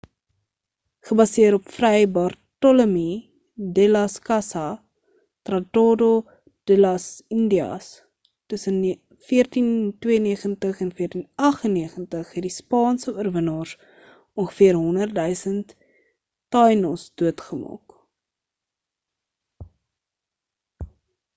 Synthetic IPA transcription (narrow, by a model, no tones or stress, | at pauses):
χəbɐsiəɾɔpfrɛjbɑrtɔləmi | delɐskɐsɐ | trɐtodo | d̥elɐsindiɑ̰s | təsən | fiərtintwiəniəχəntəχɛnfiərtinɐχənːiəχəntəχɦɛt̚dispɑːnsəuərvənɑːrs | ɔŋχə̥fiərɦɔndər̚dœɥsənt | tɑjnəlˠsd̥uətχəmɑ̰ːk